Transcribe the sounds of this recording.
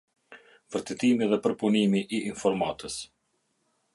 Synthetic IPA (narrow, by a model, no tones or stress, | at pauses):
vəɾt̪ɛt̪imiðɛpəɾpunimiʔiːnfɔɾmat̪əs